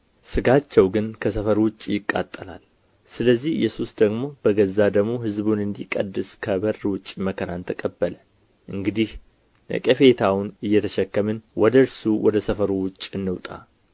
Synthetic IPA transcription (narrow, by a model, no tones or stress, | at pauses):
sɨɡat͡ʃːɛwɡɨnkʰəsəfəɾwʊt͡ʃʼːjɪkʼːa̰t̪ʼːəla̰l | sɨləzːihɨ̰jːɛsusd̪əɡmo̞bəɡəzːad̪əɡmo̞ɦɨzbunɨnd̪ikʼə̰d̪ːɨskʰəbərːwʊt͡ʃʼːiməkʰəɾant̪ʰəkʼəbːələ | ʔɨŋɡɨd̪ih | ə̰kʼəfe̞t̪ʰawnɨjːɛt̪ʰəʃɛkːəmɨnwɔd̪əɾsuwɔd̪əsəfəɾuwʊt͡ʃʼːɨnːɨwt̪ʼa̰